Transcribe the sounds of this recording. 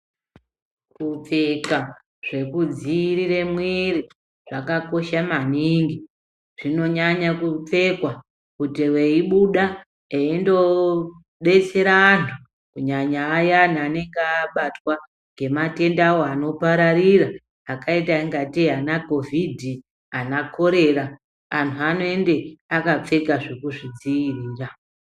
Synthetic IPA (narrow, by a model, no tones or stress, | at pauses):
kup͡feka | ʐe̞kud͡ziɾire̞mwiri | ʐ̥akako̞ʃamaniŋɡi | ʐ̥ino̞ɲaɲakup͡fe̞kwa | kutiweiɓuɗa | eindo̞ | ɓe̞t͡se̞ɾanu | kuɲaɲaːjanane̞ŋɡaɓatwa | ŋɡe̞mate̞ndawoano̞paɾariraː | kaitaiŋɡatianako̞vʱidʱi | anakʰo̞ɾe̞ɾa | antʰuano̞ende̞akap͡fe̞kaʐekuʐid͡zijiriːra